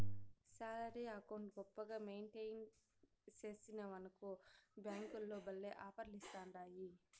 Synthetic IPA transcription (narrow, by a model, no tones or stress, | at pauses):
saːlɐɾiaːkoɳɖɡɔpːɐɡaːmejnʈejn | t͡ʃe̞ːsinɐʋɐnɐkubjaːŋkulːoːbɐlːeːʔaːpɐɾlist̪aːnɾaːji